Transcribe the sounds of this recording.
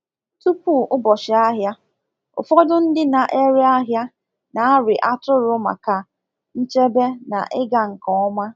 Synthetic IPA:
tu˦pu˦˨ʊ˦bɔ˨ʃɪ˨a˦ɦja˦ | ʊ̰˨fɔ˦dʊ˦n̩˦dɪ˦na˨ʔe˦ɾe˦a˦ɦja˦ | na˨a˦ɾɪ˨ʔa˦tʊ˦ɾʊ˦ma̰˨ka˨ | n̩˦t͡ʃe˦be˦na̰˨ʔɪ˦ɡa˨ŋ̩˨kɔ˨ɔ˦ma˦

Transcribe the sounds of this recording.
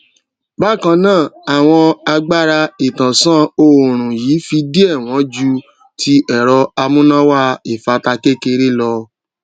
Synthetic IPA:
ba˦˨kã˧nãː˦˨a˨w̃ɔ̃˧a˧ɡ͡ba˦ɾa˧i˨tã˨sã˦o˧˨ɾ̃ũ˨jiː˨˦fi˧di˦ɛ˦˨w̃ɔ̃˨˦d͡ʒu˧˦ | tʰi˧ɛ˨ɾɔ˧a˧mũ˦nã˦wa˦e˨fa˧ta˧ke˦ke˧ɾe˦lɔ˧

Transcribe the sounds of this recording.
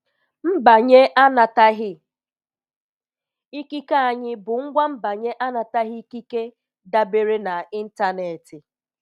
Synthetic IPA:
m̩˦ba˨ɲe˦ʔa˦na˨ta˦ɦɪ˦ | i˦ki˦ka˦a˨ɲɪ˦bʊ˨ŋ̩˦ɡʷa˦m̩˦ba˨ɲe˦ʔa˦na˨ta˦ɦɪ˦i˦ki˦ke˦ | da˦be˨ɾe˦na˨i˦n̩˦ta˦ne˨tɪ˨

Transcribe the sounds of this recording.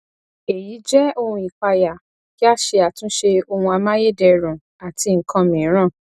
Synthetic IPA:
e˨ji˨˦d͡ʒɛ˦o˧hũ˧i˨k͡pa˧ja˨ | ki˦a˦ʃe˧a˨tũ˨˦ʃe˧o˧hũ˧a˧mã˦je˦˨dɛ˧ɾũ˨ | a˨ti˧ŋ̩˨kʰã˧mĩ˨˦ɾ̃ã˦˨

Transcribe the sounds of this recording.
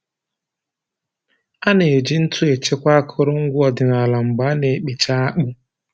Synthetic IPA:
a˦ne˨e˨d͡ʒi˦n̩˦tʰʊ˦e˨t͡ʃe˦kʷa˦a˦kʰʊ˦ɾʊ˦ŋ̩˦ɡʷʊ˦ɔ˨dɪ˨na˨la˨ŋ͡m̩˨ɡ͡ba˨˦ne˨k͡pi˨t͡ʃa˦a˦k͡pʊ˦

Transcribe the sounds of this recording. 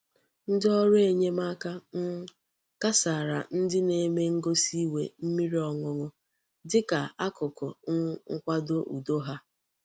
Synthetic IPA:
n̩˦dɪ˦ɔ˦ɾʊ˦e˨ɲe˦ma˦ka˦n̩˦ | ka˦sa˨ɾa˨n̩˦dɪ˦ne˨˦me˦ŋ̩˦ɡo˦si˦we˨m̩˦mi˦ɾi˦ɔ˨ŋʊ˦ŋʊ˦ | dɪ˦ka˨a˦kʊ˨kʊ˨ŋ̩˦ŋ̩˦kʷa˦do˦ʔṵ˨do˦ɦa˦

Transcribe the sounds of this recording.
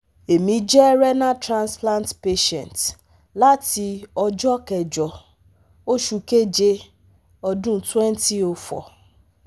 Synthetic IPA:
e˨mĩ˨d͡ʒɛ˦ɾɛ˦na˦tɾã˨nsplã˦ntpe˦ʃɛ̰̃˨n˨t | la˦ti˨ɔ˦d͡ʒɔ˦kɛ˨d͡ʒɔ˨ | o˦ʃu˨ke˦d͡ʒe˦ | ɔ˦dʊ̃˦n̩˨twɛ˦n˦ti˦o˨fɔ̰˨

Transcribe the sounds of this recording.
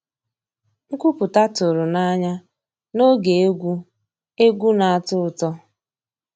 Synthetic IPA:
ŋ̩˦kʷu˦pʊ˨ta˦tʊ˨ɾʊ˨na˦ɲa˦ | no˦ɡe˨e˦ɡʷu˦ | e˦ɡʷu˦na˨a˦tʊ˦˨tɔ˦

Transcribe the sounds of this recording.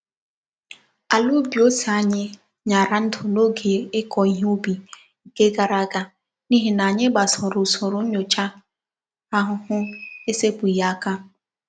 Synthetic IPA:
a˨lu˦bi˨o˦sa˦ɲɪ˦ | ɲa˨ɾa˨n̩˦tʰʊ˨no˦ɡe˨ɪ˦kʰɔ˨i˦ɦu˦bi˨ | ŋ̩˨ke˦ɡa˨ɾa˦ɡa˦ | ni˦ɦi˨na˨ɲɪ˦ɡ͡ba˨sɔ˨ɾʊ˨sɔ˨ɾʊ˨˦ɲo˨t͡ʃa˦ | a˦ɦʊ˨hʊ˦e˦se˦pʊ˨ja˨a˦ka˦

